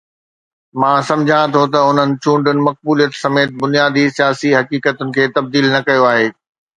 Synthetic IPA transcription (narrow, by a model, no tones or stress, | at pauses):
mãːsɐ̃md͡ʑʱãt̪ʰot̪ɐʊn̤ənɪ̆t͡ɕʰũːɳɖʊnɪ̆mɐk̚buːlijət̪sɐmeːt̪̚bʊnijaːd̪isijaːsiɦɐkiːkət̪ʊnɪ̆kʰeːt̪ɐb̚d̪iːlnɐkɐjoaːɦeː